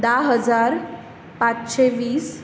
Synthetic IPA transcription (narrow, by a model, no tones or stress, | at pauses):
d̪aɦəd͡zaɾ | pat͡sɕeʋiːs